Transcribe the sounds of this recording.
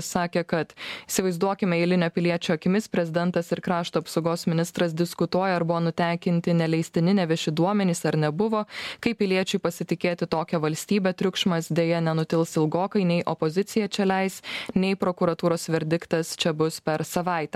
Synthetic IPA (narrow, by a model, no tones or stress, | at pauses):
sɑːkʲekɐt̪ɪsʲɪʋɐɪzd̪uɔkʲɪmʲɛɛɪlʲɪnʲoːpʲɪlʲiɛt͡ʃʲuɐkʲɪmʲɪspʲɾʲɛzʲɪd̪ʲɛnt̪ɐsɪɾkɾɑːʃt̪oɐpsɐʊɡoːsmʲɪnʲɪst̪ɾɐs̬d̪ʲɪskʊt̪uɔjɛɐɾbʊʋoːnʊt̪ʲæˑŋʲkʲɪnʲt̪ʲɪnʲɛlʲɛɪsʲt̪ʲɪnʲɪnʲɛʋʲɛʃʲɪd̪uɔmʲɛnʲiːsɐɾnʲɛbʊʋoːkɐɪpʲɪlʲiɛt͡ʃʲʊɪpɐsʲɪt̪ʲɪkʲeːt̪ʲɪt̪oːkʲɛʋɐlʲsʲt̪ʲiːbʲɛt̪ʲɾʲʊkʃmɐsd̪ʲeːjɛnʲɛnʊt̪ʲɪlˠsɪlˠɡoːkɐɪnʲɛɪʔɔpozʲɪt̪sʲɪjɛt͡ʃʲɛlʲɛɪsnʲɛɪpɾokʊɾɐt̪uːɾoːsʋʲɛɾʲd̪ʲɪkt̪ɐst͡ʃʲɛbʊspʲɛɾsɐʋɑˑɪt̪ʲɛː